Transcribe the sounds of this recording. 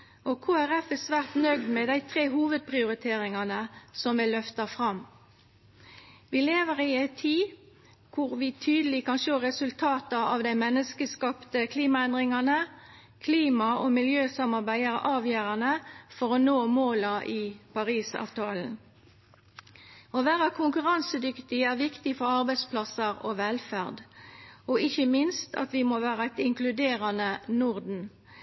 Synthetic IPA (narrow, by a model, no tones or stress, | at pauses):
ʔɔkʰoːæʁɛfɛsʋæːʁt̪nœɡd̪mɛd̪æɪt̪ʰʁeːɦuːʋəd̪̚pʰʁɪʊʁɪt̪ʰeːʁɪŋɑnəsɔmɛlœft̪ɑfʁɑm | ʋiːleːʋəʁɪɛɪt̪ʰːiː | kʰʊʁʋɪt̪ʰyːd̪əlɪkɑnʃoːʁɛsʉlt̪ʰɑːt̪ɑɑʋd̪æɪmɛnːəskəskɑpt̪əkʰliːmɑɛnd̪ʁɪŋɑnə | kʰliːmɑomɪljøːsɑmɑʁbæɪæʁɑːʋjøːʁɑnəfɔʁɔnoːmoːlɑʔɪpʰɑʁiːsɑ̰ːʋt̪ʰɑːln̩ | oːʋæːʁəkʰʊŋkʉʁɑnsəd̪ʏkt̪ɪæːʁʋɪkt̪ɪfɔʁɑʁbæɪd̪spʰlɑsəʁoʋɛlfæʁd̪ɔɪçəmɪnst̪ʰɑ̰t̪ʋɪmoːʋæːʁəæt̪ɪŋklʉd̪eːʁɑnənʊʁd̪n̩